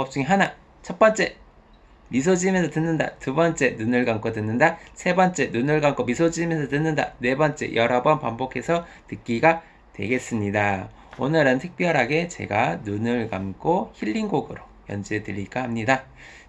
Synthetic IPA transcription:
pʌp̚t͡ɕ͈uŋeɦana | t͡ɕʰʌt̚p͈ʌnt͡ɕ͈e̞ | misʰod͡ʑimensʰʌtɯnːɯnda̰tubʌnt͡ɕ͈e̞nunɯɭɡamk͈odɯnːɯndasʰe̞bʌnt͡ɕ͈e̞nunɯɭɡamk͈omisʰod͡ʑimensʰʌtɯnːɯnda̰ne̞bʌnt͡ɕ͈e̞̰jʌɾʌbʌnpambokʰe̞sʰʌ | tɯk̚k͈iɡa | twe̞̰ɡe̞s͈ɯmɲida | onɯɾɯntʰɯk̚p͈jʌɾɦaɡe̞t͡ɕe̞̰ɡanunɯɭɡamk͈ʰoçiʎːinɡoɡɯɾo | jʌ̰nd͡ʑiɦedɯɾik͈aɦamɲida

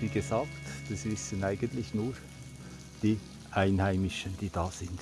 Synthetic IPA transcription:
viːɡ̥ezɑːktd̥ɑsvɪsənaɪɡ̥əntlɪçnuːɾ | d̥iː | ʔaɪnhæɪmɪʃənd̥iːd̥ɑːz̥ɪnd̥

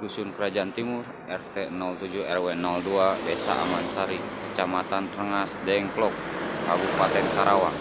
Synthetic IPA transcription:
dusunkəɾad͡ʒaant̪imur | ɛrt̪ɛnɔlt̪ud͡ʒuɛrwɛnɔlduadɛsa̰ʔa̰mansaɾikət͡ʃamat̪ant̪əɾəŋasdɛŋklɔk̚kabupat̪ɛnkaɾawaŋ

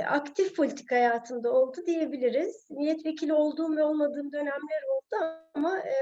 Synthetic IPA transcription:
a̰kt̪ʰifpʰo̞lʲit̪ʰi̥khajaːt̪ʰɯnd̪ao̞lˠd̪ud̪ije̞bilʲiɾiz̥milːɛt̪ve̞cʰilʲio̞lˠd̪uːmvɛo̞lˠmad̪ɯːmd̪ø̞nɛmlʲeɾo̞lˠd̪̥uaama

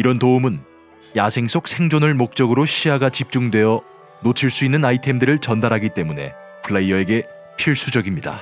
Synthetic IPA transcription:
iɾʌntoumɯn | jasʰe̞ŋs͈ʰok̚sʰe̞ŋd͡ʑonɯɭmok̚t͡ɕ͈ʌɡɯɾoɕʰiaɡat͡ɕip̚t͡ɕ͈uŋdwe̞jʌ | not͡ɕʰiɭs͈uinːɯnaitʰe̞mdɯɾɯɭt͡ɕʌndaɾɦaɡit͈e̞mune̞̰ | pʰɯɭːeiʌe̞ɡe̞ | pʰiɭs͈ud͡ʑʌɡimɲida̰

